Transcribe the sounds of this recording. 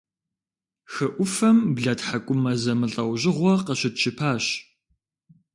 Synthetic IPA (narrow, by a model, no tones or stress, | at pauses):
xɐʔʷʊfɐmbɮɐtħakʷʼʊmɐzɐmɨɬʼɐwʑɪʁʷɔqɐɕɪtt͡ʃʰɪpʰaːɕ